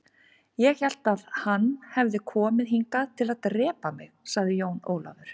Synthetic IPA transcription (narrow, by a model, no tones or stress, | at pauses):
jɛɣçɛl̥t̪aðhanːhɛvðɪkʰɔːmɪðɦiŋkaðt̪ʰɪlaðt̪rɛːpamɪɣsaɣðɪjoːwno̰ːwla̰vʏɾ̥